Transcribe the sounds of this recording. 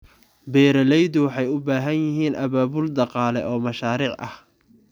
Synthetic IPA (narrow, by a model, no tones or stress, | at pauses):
bɛːɾɐlɛjðʊwɑħɑjʊbaːɦɐnjɪɦiːnʔɐβaːβʊld̪ɑqɑːlɛ̰ʔɔːmɐʃaːɾiːʕʔɐ̰h